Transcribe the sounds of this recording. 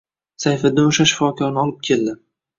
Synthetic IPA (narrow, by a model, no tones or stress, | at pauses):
sajfad̪ɪnoʃaʃɪ̥fɒkʰɒɾnɪɒlˠɪp̚kʲʰe̞ld̪ɪ